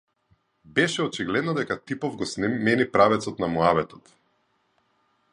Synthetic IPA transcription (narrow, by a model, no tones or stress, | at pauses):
bɛʃɛɔt͡ʃiɡlɛd̪nɔd̪ɛkat̪ipɔvɡɔsnɛmɛnipɾavɛt̪sɔt̪namuavɛt̪ɔ̥t̪